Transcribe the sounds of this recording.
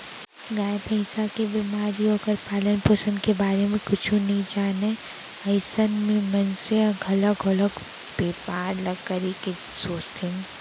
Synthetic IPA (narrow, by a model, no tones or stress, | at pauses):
ɡaːjpə̃ɪ̃sakebɪmaːɾiɦoːkəɾpaːlənpoːsənkebaːɾemẽkʊt͡ʃʰũnɐɦĩd͡ʒaːne | ɐɪsənmẽmɐnseɡʱɐləɡɐləɡ | b̥eːpaːɾlɐɡkəɾike | soːt͡ʃt̪ʰen